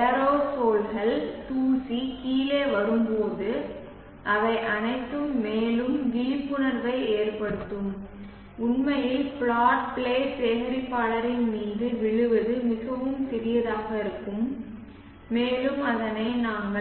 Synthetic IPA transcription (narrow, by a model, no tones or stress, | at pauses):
ɛɾoːsoːlɣɐlt̪uːsikiːleːʋɐɽɯmpoːðɯ | ʔɐʋɐɪʔɐnɐɪt̪ːɯmːeːlɯmʋiːpːɯnɐɾʋɐɪeːrpɐɽɯt̪ːɯm | ʊnmɐjɪlfɭaːʈ̚pɭeːseːɣɐɾɪpːaːɭɐɾɪnmiːðɯʋɪɭɯʋɐðɯmɪɣɐʋɯmsɪɾɪjɐðaːɣɐɪɾɯkːɯmː | eːlɯmɐðɐnɐɪnaːŋɡɐ